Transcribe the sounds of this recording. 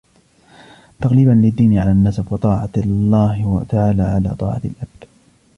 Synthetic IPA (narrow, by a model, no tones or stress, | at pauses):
t̪aɑɣliːbanlɪd̪ːiːnɪʕalanːasabwɑt̪ˤɑːʕalːaːht̪aʕaːlaːʕala̰ːt̪ˤɑ̰ːʕɑlʔab̚d̪̥